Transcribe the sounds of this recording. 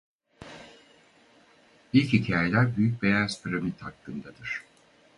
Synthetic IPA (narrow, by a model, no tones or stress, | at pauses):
ilʲchicʰaːjelʲæɾbyjyc̚be̞jaspʰiɾamit̪hakːɯnd̪ad̪ɯɾ̝̥